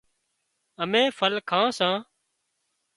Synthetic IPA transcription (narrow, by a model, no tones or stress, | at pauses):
əmẽːfʰəlkʰãːsãː